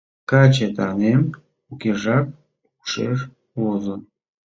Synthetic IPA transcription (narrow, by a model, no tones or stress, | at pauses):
kɑt͡ɕet̪ɑnem | ukʲeʒɑk̚ | uuʂḛʃ | βozən